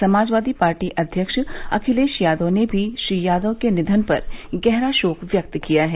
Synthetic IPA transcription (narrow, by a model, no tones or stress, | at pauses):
sɐmaːd͡ʒʋaːd̪ipaːɾʈiʔɐd̪ʱjəkʃɐ̰kʰɪleːʃjaːd̪onebʱiʃɾijaːd̪okenɪd̪ʱənpɐ̰ɾɡɛɦɾaʃoːkʋjɐk̚t̪kijaɦɛː